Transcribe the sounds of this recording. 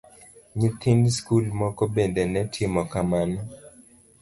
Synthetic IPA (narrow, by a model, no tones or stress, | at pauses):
ɲit̪ʰinskulmɔkɔbendenɛtʰɪmɔkamanɔ